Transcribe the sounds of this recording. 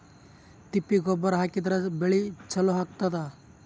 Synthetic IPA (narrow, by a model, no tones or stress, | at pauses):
t̪ipːiɡɔbəɾɦakit̪ɾɐbeɭit͡ʃʰɐloɦak̚t̪at̪a